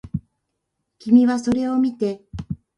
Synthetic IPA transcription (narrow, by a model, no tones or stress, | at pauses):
kʲimʲiβaso̞ɾe̞o̞mʲit̪e̞